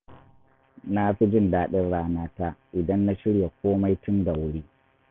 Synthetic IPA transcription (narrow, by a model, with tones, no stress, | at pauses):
na˦ɸi˦d͡ʒɪ˦ndaː˨ɗɪ˦nɽaː˦naː˦ta˦ʔɪ˨dɐ˦nːa˦ʃɪ˦ɽja˨kʷoː˦ma˦jtʊ˦nda˨wʊ˦ɽiː˦